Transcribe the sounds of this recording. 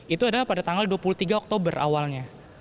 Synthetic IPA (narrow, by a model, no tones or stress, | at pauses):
it̪uadalahpadat̪aŋɡalduapuluht̪iɡaɔk̚t̪obəra̰walɲa